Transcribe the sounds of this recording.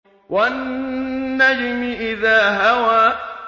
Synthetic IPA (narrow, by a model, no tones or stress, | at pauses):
wʔanː | ad͡ʒɪmɪʔɪðaːɦawaː